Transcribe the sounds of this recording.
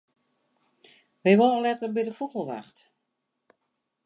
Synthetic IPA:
ʋɛjʋoləlɛtələbidəfuɣəlˠʋa̰xt

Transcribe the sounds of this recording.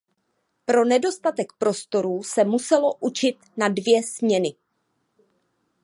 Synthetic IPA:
pɾo̞nɛdo̞st̪at̪ɛkpɾo̞st̪o̞ɾuːsɛmusɛlo̞ʔut͡ʃɪt̪nadvjɛzmɲɛnɪ

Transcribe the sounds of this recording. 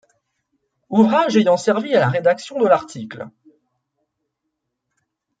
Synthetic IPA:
uvʁaʒejɑ̃sɛʁvialaʁed̪aksjɔ̃d̪əlaʁt̪ikl

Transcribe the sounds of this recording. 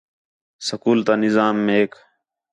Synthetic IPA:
səkuːlt̪aːnɪzaːmːeeːk

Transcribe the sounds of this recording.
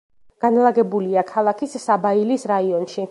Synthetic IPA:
ɡ̥analˠaɡɛbuliakʰalˠakʰissabailisɾaiɔnʃi

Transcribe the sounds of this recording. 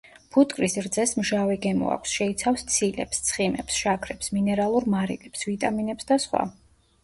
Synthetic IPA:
pʰut̪ʼkʼɾisɾd̪zɛsmʒavɛɡɛmɔ̰a̰kʷʰsʃɛit̪sʰafst̪sʰilɛ̰pst̪sʰχimɛ̰psʃakʰɾɛpsminɛɾalˠuɾmaɾḭlʼɛpsvit̪ʼaminɛpsd̪asχwa̰

